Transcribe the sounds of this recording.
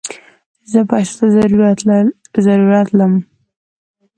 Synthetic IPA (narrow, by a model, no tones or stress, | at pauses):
zəpɑsḁt̪azɾ | zaɾuɾat̪ləm